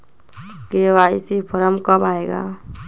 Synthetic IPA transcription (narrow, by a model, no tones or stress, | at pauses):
keʋaisipʰɔɾəmkɔbaeɡa̰